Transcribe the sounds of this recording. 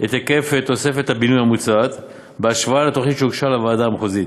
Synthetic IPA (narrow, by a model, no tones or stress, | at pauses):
et̪ake̞fe̞t̪o̞se̞fet̪habinujhamut͡sat̪ | beaʃvaalet̪oχnit̪ʃeukʃalavaːdaamχozit̪